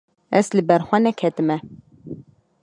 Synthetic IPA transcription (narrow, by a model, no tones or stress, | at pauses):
ɛslɨbɛɾxʷɛnɛkʰɛt̪ɨmɛ